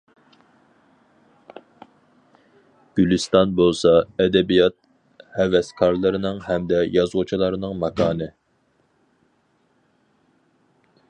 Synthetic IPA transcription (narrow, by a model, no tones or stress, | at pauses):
ɡ̥ʲylɨst̪ɑnbolˠsɑɛd̪ɛbijɑt̪̚ | hɛvɛskʰɑɾlˠɨɾɨnɨŋhɛmd̪ɛjɑzʁut͡ʃʰilˠɑɾɨnɨŋmɑkʰɑːnɨ